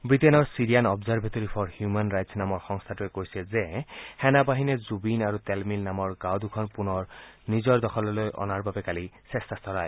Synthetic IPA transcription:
bɹitenɔɹsiɹijanɔbzaɹbʱetoɹipʰɔɹhjumanɹajtsnamɔɹxɔŋst̪ʰatuɛkoɹisɛzɛhɛnabaɦinɛzubinaɹutɛlmilnamɔɹɡawdukʰɔnpunɔɹnizɔɹd̪ɔxʰɔlɔlojʔɔ̰naɹbabɛkalisɛstʰastɔɹaj

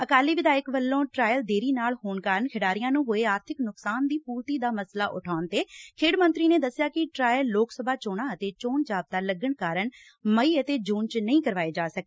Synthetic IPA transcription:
əkaːliːʋɪd̪aːjəkbəlːõːʈɾaːjəld̪eːɾiːnaːlhoːɳkaːɾəɳkʰɪɖaːɾɪjãːnũːɦoːeːaːɾt̪ʰɪknʊksaːnd̪iːpuːɾt̪iːd̪aːməslaːʔʊ̰ʈʰaːʊnt̪eːkʰeːɖmənt̪ɾiːneːd̪əsːɪjaːkɪʈɾaːjəlːoːksəbʱaːt͡ʃoːɽãːət̪eːt͡ʃoːɳd͡ʒaːb̚t̪aːləɡəɳkaːɾəɳ | məiːət̪eːd͡ʒuːnt͡ʃnəĩːkəɾʋaːeːd͡ʒaːsək̚ː

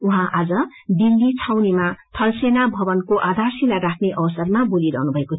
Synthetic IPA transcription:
uɦãʔad͡zʌ | d̪ilːit͡sʰawnemat̪ʰʌlsenabʱʌbʌnkoʔad̪ʱarsilarakʰneʔʌbʌsʌrmaboliɾʌ̰ɦnubʱʌeko

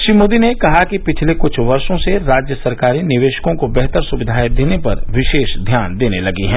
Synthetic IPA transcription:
ʃɾimoːd̪inekɐɦakipɪt͡ʃʰlekʊt͡ʃʰʋɐɾʃõseɾaːd͡ʒjəsɐɾkaːɾinɪʋeːʃkõkobɛɦt̪əɾsʊʋɪd̪ʱaːjd̪eːnepɐɾʋɪʃeːʃd̪ʱjaːnd̪eːnelɐɡiɦɛ̃ː

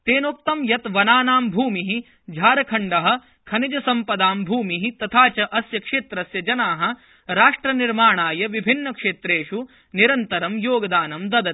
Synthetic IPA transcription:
t̪eːnoːp̚t̪ɐmjɐt̪ʋɐnaːnaːmbʱuːmiɦi | d͡ʒʱaːɾɐkʰɐɳɖɐɦɐ̆ | kʰɐnid͡ʒɐsɐmpɐd̪aːmbʱuːmiɦit̪ɐt̪ʰaːt͡ʃɐʔɐsjɐkʂeːt̪ɾɐsjɐd͡ʒɐnaːɦɐ̆ | ɾaːʂʈɾɐniɾmaːɳaːjɐʋibʱinːɐkʂeːt̪ɾeːʂu | niɾɐnt̪ɐɾɐmjoːɡɐd̪aːnɐmd̪ɐd̪ɐ

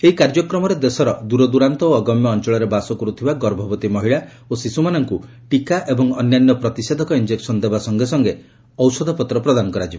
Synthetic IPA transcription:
eɦikaɾd͡ʒɔkɾɔmɔɾed̪esɔɾɔd̪uɾɔd̪uɾant̪ɔoːɡɔmjɔːnt͡ʃɔɭɔɾebasɔkɔɾut̪ʰibaɡɔɾbʱɔbɔt̪imɔɦiɭa | osisumanɔŋku | ʈikaʔebɔŋɔnjanjɔpɾɔt̪ised̪ʱɔkɔind͡ʒeksɔnd̪ebasɔŋɡesɔŋɡe | ɔwsɔd̪ʱɔpɔt̪ɾɔpɾɔd̪anɔkɔɾad͡ʒibe

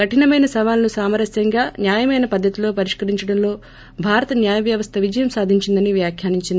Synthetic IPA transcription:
kɐʈinɐmɐjnɐsɐʋaːlɐnusaːmɐɾɐsjɐŋɡaːnjaːjɐmɐjnɐpɐd̪ʱːɐt̪ilo̞ːpɐɾiʂkɐɾiɲt͡ʃɐɽɐmlo̞ː | bʱaːɾɐt̪ɐnjaːjɐʋjɐʋɐst̪ʰɐʋid͡ʒɐjɐmsaːd̪ʱiɲt͡ʃind̪ɐniʋjaːkʰjaːniɲt͡ʃind̪ii

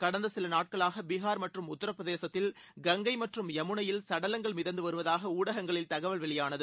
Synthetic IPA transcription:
kɐɽɐnd̪ɐsɪlɐnaːʈ̚kɐɭaːɣɐbɪɣaːɾmɐʈrɯmʊt̪ːɪɾɐpːɐðeːsɐt̪ːɪl | ɡɐŋɡɐɪmɐʈrɯmɛmɯɳɐjɪlsɐɽɐlɐŋɡɐɭmɪðɐnd̪ɯʋɐɾɯʋɐðaːɣɐuːɽɐɣɐŋɡɐɭɪlt̪ɐɣɐʋɐlʋɛɭɪjaːnɐðɯ

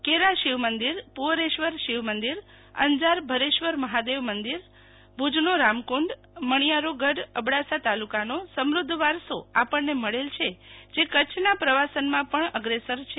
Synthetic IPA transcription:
keɾaʃiʋmənd̪iɾpuʋɾeʃʋəɾʃiʋmənd̪iɾ | ə̰nd͡ʒaɾbʱəɾeʃʋəɾməɦad̪eʋmənd̪iɾ | bʱud͡ʒnoɾamkuɳɖ | məɳ̃ijaɾoɡəɖəbɽasat̪alukanosəmɾʊd̪ʱːʋaɾsoapəɳːeməɭelt͡ʃʰed͡ʒekət͡ʃʰnapɾəʋasənmãpəɳəɡɾesəɾt͡ʃʰe

